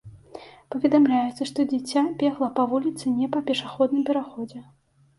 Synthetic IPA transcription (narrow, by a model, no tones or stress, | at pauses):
pɐvʲɛd̪amlʲajɛt̪sːɐʂt̪ɔd͡zʲit͡sʲːabʲɛɣlˠɐpavulʲit̪sɨnʲɛpɐpʲɛʂaxɔd̪nɨmpʲɛɾaxɔd͡zʲɛ